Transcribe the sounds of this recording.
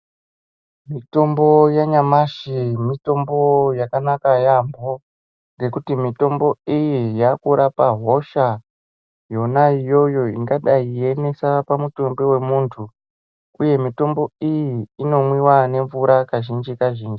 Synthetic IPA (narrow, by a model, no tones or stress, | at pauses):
mito̞mbo̞jaɲamaʃimito̞mbo̞jakanakajambo̞ | ŋɡe̞kutimito̞mbo̞ijijakuɾapaɦo̞ʃa | jo̞naijo̞jo̞iŋɡaɗaie̞ne̞sapamuto̞mbewe̞muːntʰu | uje̞mito̞mbo̞ijiːno̞mwiwane̞ɱvuɾakaʒind͡ʒikaʒiːnd͡ʒi